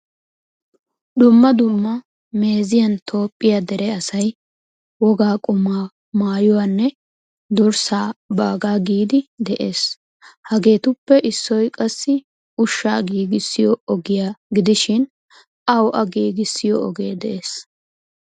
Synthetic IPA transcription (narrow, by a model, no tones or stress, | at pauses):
d̪ʊmːɐd̪ʊmːɐ | me̞ːzɪjɐnt̪ʰo̞ːpʼːɪjad̪ɛɾɛɐsɐj | wɔɡaːkʼʊmːaː | maːjʊwaːnːɛ | d̪ʊɾsaːba̰ːɡaːɡiːd̪ɪd̪ɛʔeːs | hɐɡe̞ːt̪ʊpːɛʔɪsːɔjkʼɐsːɪ | ʊʃːa̰ːɡiːɡɪsːɪjɔɔɡɪjaːɡɪd̪ɪʃɪn | ɐwʔɐɡiːɡɪsːɪjɔɔɡeːd̪ɛʔeːs